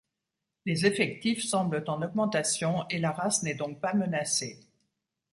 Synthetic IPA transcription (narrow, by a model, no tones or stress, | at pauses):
lezefɛk̚t̪ifsɑ̃blət̪ɑ̃nɔɡmɑ̃t̪asjɔ̃elaʁasnɛd̪ɔ̃k̚pamənase